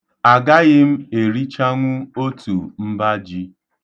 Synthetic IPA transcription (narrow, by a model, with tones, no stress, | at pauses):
a˨ɡa˦ɣɪ˦m̩˦e˨ɾi˦t͡ʃa˦ŋʷʊ˦o˦tʰu˨m̩˦ba˦d͡ʒi˦